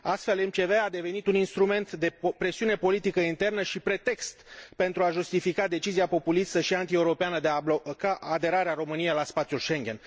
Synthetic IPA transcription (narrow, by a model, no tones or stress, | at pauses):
ast̪fe̞lemt͡ʃe̞vead̪e̞ve̞nit̪uninst̪ɾume̞nt̪d̪e̞pɾe̞siune̞po̞lit̪ikəint̪e̞rnəʃipɾe̞t̪e̞kst̪pe̞nt̪ɾuaʒust̪ifikad̪e̞t͡ʃiziapo̞pulist̪əʃiant̪ie̞uɾo̞peanəd̪eabokaːd̪e̞ɾaɾeaɾo̞mɨnijejlaspat̪sijulʃe̞ŋɡʲe̞n